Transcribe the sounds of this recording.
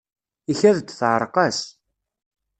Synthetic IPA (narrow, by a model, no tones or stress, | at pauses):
içæðd̪θʕəɾˤqɑs